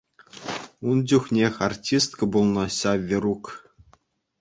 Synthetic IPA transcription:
und͡ʑʲuxʲnʲexʲartʲist̪kɤ̆bulˠnɤ̆ɕɑʋʲeɾuk

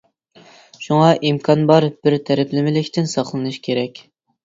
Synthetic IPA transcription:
ʃuŋɑʔimkʰɑnbɑɾb̥ɪɾt̪ʰæɾɪpʰlɪmɪlɪkʲt̪ɪnsɑχlˠɨnɨʃkʲʰeɾɛkʲ

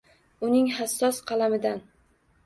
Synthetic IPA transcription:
ʊnɪŋɦasːɒsqʰɑlamɪd̪an

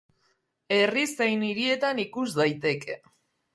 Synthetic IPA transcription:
e̞risejniɾie̞t̪anikuzd̪ajt̪e̞ke

